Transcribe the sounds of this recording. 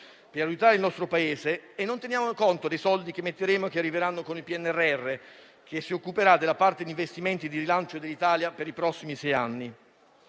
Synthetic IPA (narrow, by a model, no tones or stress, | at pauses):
peɾajut̪aːɾeilnɔst̪ɾopaeːzeːnːont̪enjaːmokont̪od̪ejsɔld̪ikemːet̪ːeɾeːmoekːearːiveɾanːokonilpiɛnːɛrːeɛrːe | k̟esːiokːupeɾad̪elapart̪ed̪iɱvest̪iment̪id̪iɾilant͡ʃod̪elːit̪aːljapeɾipɾɔsːimisɛjanːi